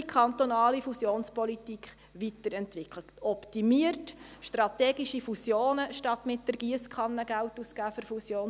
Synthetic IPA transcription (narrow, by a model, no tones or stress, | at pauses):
kʰχɑnt̪ɔnɑːlifusjoːnspɔlitikχ | ʋitəɾɛntʋɪkʰlə | ɔptimiərtʃtrɑt̪ɛːɡiʃifusjoːnəʃtɑt̪mɪt̚d̥əɾɡ̥iəskʰɑnːəɡ̥æltusɡ̥æːfʏɾfusjoːn